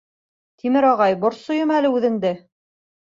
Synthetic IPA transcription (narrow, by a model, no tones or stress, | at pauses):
t̪ʰimɘɾɑʁɑjbŏɾsojɤmælɘʉðɘ̆ŋd̪ɘ